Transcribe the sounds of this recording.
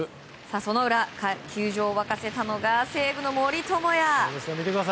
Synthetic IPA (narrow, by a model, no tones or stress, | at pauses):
saso̞no̞ɯ̟ɾakkʲʰɨːʑo̞ːβakase̞t̪ano̞ɡase̞ːɡɯ̟no̞moɾʲit̪o̞mo̞jaesamʲit̪ekɯd̪as